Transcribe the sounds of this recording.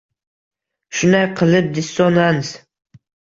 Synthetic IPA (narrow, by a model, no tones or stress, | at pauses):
ʃʊnd̪ajqʰɨlˠɪp̚d̪ɪsːɒnanz